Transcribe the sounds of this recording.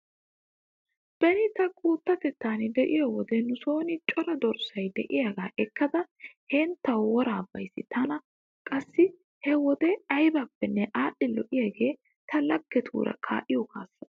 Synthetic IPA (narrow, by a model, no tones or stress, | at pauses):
b̥ɛɾɪt̪ɐkʼuːt̪ːɐfɛt̪ːaːnɪd̪ɛʔɪjɔwɔd̪ɛnʊso̞ːnɪt͡ʃʼɔɾɐd̪ɔɾsɐjd̪ɛʔɪjaɡaːʔɛkːɐd̪ɐhɛnt̪ːɐwwɔɾaːbːɐjsːɪt̪ɐnɐ | kʼɐsːɪ | hɛwɔd̪ɛɐjbɐpːɛnːɛʔaːɗːɪlɔ̰ʔɪjaɡe̞ː | t̪ʰɐlɐɡːɛt̪ʰṵːɾɐ̰kʰa̰ːʔɪjɔkʰa̰ːsːɐ